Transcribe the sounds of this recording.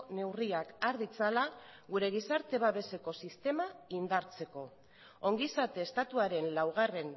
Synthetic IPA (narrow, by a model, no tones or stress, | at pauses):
ne̞wriakaɾðit͡salaɣuɾe̞ɣ̞isaɾt̪e̞β̞aβe̞se̞ko̞sist̪e̞maind̪aɾt͡se̞ko̞ | o̞ŋɡisat̪e̞ːst̪at̪uaɾe̞nlawɣ̞are̞n